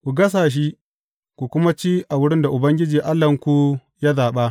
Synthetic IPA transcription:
kʷu˨ɡɐ˦s̬aː˨ʃ̬i˦ | kʷu˨kʷʊ˦ma˦t͡ʃi˦ʔa˨wʊ˦ɽɪ˦nda˨ʔʊ˨bɐ˦ŋɡʲɪ˦d͡ʒiː˨ʔa˦lːɐ˨ŋkʷu˦ | ja˦zaː˨ɓa˦ʔ

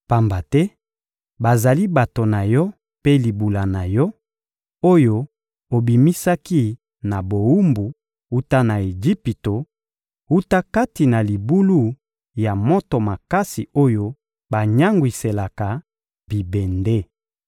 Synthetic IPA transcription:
pa˨mba˨tɛ˦ | ba˨za˨li˦ba˨to˨na˨jɔ˦ | pe˦li˨bu˨la˨na˨jɔ˦ | o˦jo˦ | o˨bi˨mi˦sa˦ki˦ | na˨bo˨u˦mbu˨ | u˦ta˦na˨e˨d͡ʒi˦pi˨to˨ | u˦ta˦ka˦ti˨na˨li˨bu˦lu˦ | ja˨mo˦to˨ma˨ka˦si˨o˦jo˦ | ba˨ɲa˦ŋɡwi˨se˨la˨ka˨ | bi˨bɛ˨nde˦

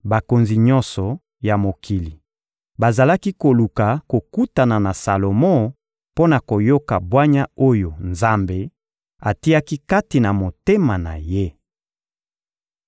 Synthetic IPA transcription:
ba˨ko˨nzi˨ɲɔ̃˦nsɔ˨ | ja˨mo˨kʰi˨li˨ | ba˨za˨la˦ki˦ko˨lu˨ka˨ko˨ku˦ta˨na˨na˨sa˨lo˨mɔ̃˦ | po˦na˨ko˨jo˦ka˨bwa˦ɲa˦o˦jo˨nza˦mbe˦ | a˨ti˦a˦ki˦ka˦ti˨na˨mo˨te˦ma˨na̰˨je˦

